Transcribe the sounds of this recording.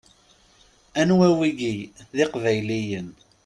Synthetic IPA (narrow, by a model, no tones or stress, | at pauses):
ænwæwiɡiðɪqvæjlijən